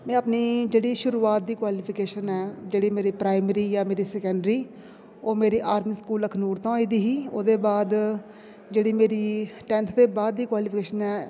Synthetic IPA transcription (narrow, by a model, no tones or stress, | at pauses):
mɛ̃ːəpniːd͡ʒeːɽiːʃʊɾuːaːt̪̚d̪iːkwaːlipʰɪkeːʃənɛːd͡ʒeːɽiːmeːɾiːpɾaːɪmɾiːjãːmeːɾiːsɛːkɛ̃ɳɖɾiː | oːmeːɾiːʔaːɾmiːskuːləkʰnuːɾt̪ãːaːiːd̪iːɦiːoːd̪eːbaːd̪ | d͡ʒeːɽiːmeːɾiːʈɛ̃ːnt̪ʰd̪eːbaːd̪̚ːiːkwaːliːpʰkeːʃənɛː